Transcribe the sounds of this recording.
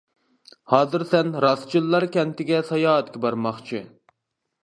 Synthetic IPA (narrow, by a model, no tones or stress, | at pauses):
hɑːzɨɾsɛnɾɑst͡ʃʰilˠːɑɾkʲʰɛnt̪ʰɪɡʲɛsɑjɑːɨt̪̚kʲɛbɑɾmɑχt͡ʃʰi